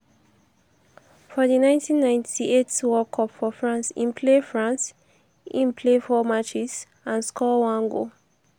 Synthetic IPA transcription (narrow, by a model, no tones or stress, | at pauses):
fɔðinãɪ̃ntʰĩnːãɪ̃ntʰietwɔkʰɔpfɔfɹãnsḭ̃npʰlefɹãns | ĩnpʰlefɔmat͡ʃis | ãnskʰɔwãnɡo̰